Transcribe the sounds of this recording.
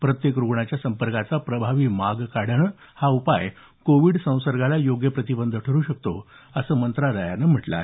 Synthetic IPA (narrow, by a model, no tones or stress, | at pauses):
pɾət̪jekɾuɡɳat͡ɕjasəmpəɾkat͡sapɾəbʱaʋiːmaɡkaɽəɳ | haupa̰j | koʋiːɽsə̃w̃səɾɡʱalajoɡjəpɾət̪ibənd̪ʱəʈʰəɾuːɕək̚t̪o̰ | əsəːmənt̪ɾaɾaja̰nəm̤əʈla̰